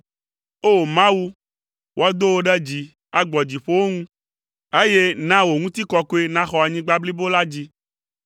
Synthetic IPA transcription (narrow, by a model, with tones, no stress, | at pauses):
o˦˨mã˦wu˦ | wo˦a˦d̪o˦wo˦ɖɛ˦d͡ʑi˨ | a˨ɡ͡bɔ˨d͡ʑi˨ɸo˦wo˦ŋũ˦ | e˦je˦nã˦wo˨ŋũ˦t̪i˦kɔ˦ko˦e˦nã˦xɔ˨a˨ɲĩ˦ɡ͡ba˦bli˦bo˦la˦d͡ʑi˦